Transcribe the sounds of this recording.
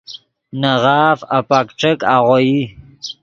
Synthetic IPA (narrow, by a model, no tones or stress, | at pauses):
nəʁɑːfapakʈ͡ʂəkaʁʷoji